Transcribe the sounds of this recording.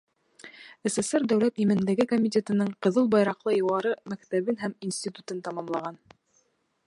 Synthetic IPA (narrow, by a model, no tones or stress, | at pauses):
ĕseseɾd̪æwlæt̪imɘ̆nd̪æɡɘkomʲitʲet̪ɤ̆nɤɴqɤ̆ðɤlˠbɑjɾɑqlˠɤjŏwɑɾɤmækt̪æβɘnɦæminsʲtʲit̪ut̪ɤnt̪ɑmɑmlˠɑʁɑn